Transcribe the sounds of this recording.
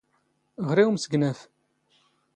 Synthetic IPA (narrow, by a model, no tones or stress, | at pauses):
ʁɾiwmsəɡnæf